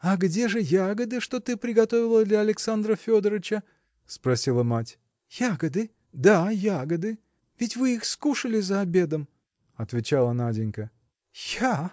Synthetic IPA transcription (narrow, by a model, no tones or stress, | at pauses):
ɐɡdʲe̞ʐɨjaɡəd̪ɨʂt̪o̞t̪ɨpɾʲɪɡɐt̪o̞vʲɪlˠəd̪lʲɐːlʲɪksand̪ɾəfʲo̞d̪əɾɨt͡ɕə | spɾɐsʲilˠəmatʲ | jaɡəd̪ɨ | d̪ajaɡəd̪ɨ | vʲɪtʲvɨixskuʂəlʲɪzəɐbʲe̞d̪əm | ɐt̪vʲɪt͡ɕalˠənadʲɪnʲkə | ja